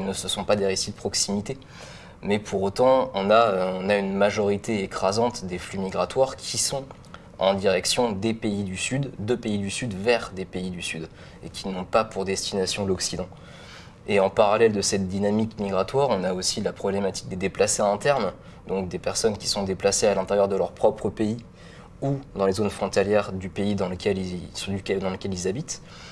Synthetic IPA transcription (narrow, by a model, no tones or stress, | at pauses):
ilnəsəsɔ̃pad̪eʁesid̪əpχɔksimit̪e | mɛpʰuʁot̪ɑ̃ɔ̃naøɔ̃naynmaʒɔʁit̪eekχazɑ̃t̪d̪eflymiɡʁat̪waʁkʲʰisɔ̃ | ɑ̰̃d̪iʁɛksjɔ̃d̪epeid̪ysyd̪ːəpeid̪ysyd̪vɛʁd̪epeid̪ysyd̪ | ḛkʲʰinɔ̃papuʁd̪ɛst̪inasjɔ̃lɔksid̪ɑ̃ | eɑ̃paʁalɛld̪əsɛt̪̚d̪inamikmiɡʁat̪waʁɔ̃naosilapχɔblemat̪i̥k̚d̪ed̪eplaseɛ̃t̪ɛʁm | d̪ɔ̃k̚d̪epɛʁsɔnkʲi̥sɔ̃d̪eplasealɛ̃t̪eʁjœʁd̪əlœʁpχɔpχəpei | ud̪ɑ̃lezonfχɔ̃t̪aljɛʁd̪ypeid̪ɑ̃ləkʲɛlsd̪ykɛd̪ɑ̃ləkʲɛlilzabit̪